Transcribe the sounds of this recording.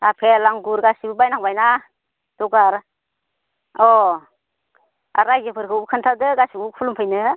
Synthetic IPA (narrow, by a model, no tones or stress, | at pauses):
apʰelaŋɡuɾɡasibɯbajnaŋbajna | d̥ɔɡaɾ | ɔ | a̰ɾajd͡ʒɯpʰɯɾkʰɯubkʰɯntʰadɯɡasiupʰulumpʰɯjnɯ